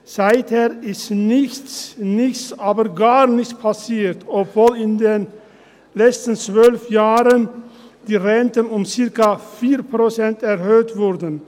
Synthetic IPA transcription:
saɪt̪heːɾɪstnɪçtsnɪçsaːbəɾɡaːʁnɪçt̪pʰɑsiːɾt̪ɔpvoːlɪnd̪eːn | lɛt͡st̪n̩t͡svœlfjaːʁənd̪̥iːʁɛnt̪ənʊmsɪʁkafiːɾpʁosɛnt̪ɛɾhøːtvʊɾd̪ən̩

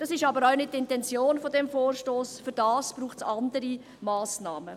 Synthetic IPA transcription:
d̥ɑsɪʃɑbəɾaʊnɪt̚tːɪntɛnt͡sjoːnfɔdɛmfoːrʃtoːsfʏɾd̥ɑːspɾuːχtsɑndəɾi | mɑːsnɑːmə

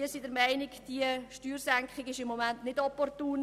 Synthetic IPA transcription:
iəsidəɾmæɪnɪkd̥iəʃtyːɾsæŋkχɪɡɪʃɪmːomæntnɪdɔpɔrtuːn

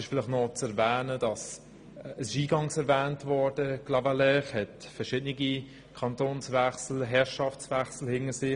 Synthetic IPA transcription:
ɪʃfɪlɪχtnɔt͡sɛɾvɛːnəd̥ɑs | ɛsɪʃiːɡɑŋsɛɾvɛːntvɔɾd̥əɡ̥lɑvalɛχhɛt | fɛʃɪdnɪɡi | kʰɑntoːnsvɛχsl̩ɦɛɾʃɑft͡svɛχsl̩hɪŋəsɪ

